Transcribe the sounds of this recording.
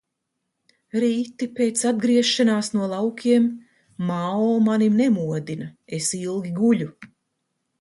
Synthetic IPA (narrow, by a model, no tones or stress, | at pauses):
ɾiːt̪ipeːt̪sad̪ɡɾiɛʃanaːsnuɔlˠawkʰʲiɛmː | aɔːmanimnɛmuɔd̪inaesilˠɡʲiɡuʎʲu